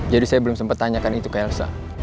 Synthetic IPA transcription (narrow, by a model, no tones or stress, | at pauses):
d͡ʒadisajabəlumsəmpət̪ːaɲakanit̪ukaalsa̰